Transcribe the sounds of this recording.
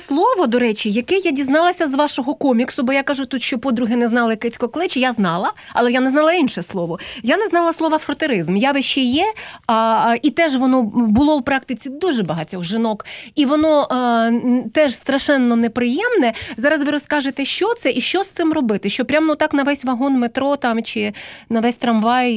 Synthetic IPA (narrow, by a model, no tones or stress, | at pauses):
slˠɔʋɔd̪ɔɾɛt͡ʃijɐkɛjadʲiznɑlˠɐsʲɐzʋɑʃɔɦɔkɔmʲiksʊbɔjakaʒʊt̪ut̪ʃt͡ʃɔpɔd̪ɾʊɦɪnɛznɑlˠɐkɛt͡sʲkɔklˠɪt͡ʃjaznɑlˠɐɐ̰lˠɛjanɛznɑlˠɐinʃɛslˠɔʋɔjanɛznɑlˠɐslˠɔʋɐfɾɔt̪eɾɪzmjaʋɪʃt͡ʃɛjɛ | it̪ɛʒʋɔnɔbʊlˠɔwpɾɑk̚t̪ɪt͡sʲid̪uʒɛbɐɦɐtʲɔɣʒɪnɔkiʋɔnɔ | t̪ɛʒst̪ɾɐʃɛnːɔnɛpɾɪjɛmnɛzɑɾɐzʋɪɾɔskɑʒet̪ɛʃt͡ʃɔt̪sɛʔiʃt͡ʃɔst̪sɪmrɔbɪt̪ɪʃt͡ʃɔpɾʲamnut̪ɑknɐʋɛsʲʋɐɦɔnmet̪ɾɔt̪ɑmt͡ʃɪnɐʋɛsʲt̪ɾɐmʋɑj